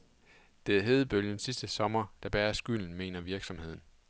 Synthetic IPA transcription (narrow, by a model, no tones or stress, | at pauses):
d̥e̝æɦe̝ːðˠb̥øljənsisd̥əsɒ̽mɐd̥æb̥æːɐsɡ̥yl̰n̩me̝̰ːnɐʋiɐɡ̥sɒ̽mhe̝ð̰ˠn̩